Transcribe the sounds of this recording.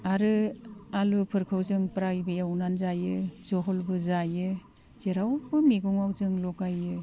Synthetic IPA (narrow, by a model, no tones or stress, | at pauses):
aɾɯalupʰɯɾkʰɯwzɯŋpɾajbɯjawnanzajɯzɔɦɔlbɯzajɯ | z̥eɾawbɯmiɡuŋawzɯŋlɔkajɯ